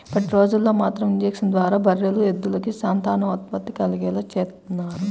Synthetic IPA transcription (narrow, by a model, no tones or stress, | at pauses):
pɐʈiɾo̞ːd͡ʒulːo̞ːmaːt̪ɾɐmiɲd͡ʒeːksinɐd̪ʋaːɾaːbʱɐɾjɐlued̪ːulɐkisaːnt̪aːɳɐʋɐt̪̚pɐt̪ːikɐliɡɛːlɐt͡ʃeːt̪unːaːɾu